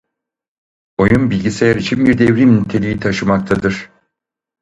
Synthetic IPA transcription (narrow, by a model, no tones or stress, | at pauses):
o̞junbilʲɟise̞jæɾit͡ʃʰinbiɾd̪evɾimynʲt̪ʰe̞lʲijit̪ʰaʃɯmakt̪ʰad̪ɯɾ̥